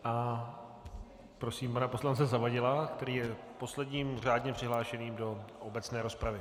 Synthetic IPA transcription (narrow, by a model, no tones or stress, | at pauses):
ʔa | pɾo̞siːmpanapo̞slant͡sɛzavaɟɪlak̚t̪ɛɾiːjɛ | po̞slɛdɲiːmr̝aːdɲɛpr̥ɪɦlaːʃɛniːmdo̞ʔobɛt͡snɛːɾo̞spɾavɪ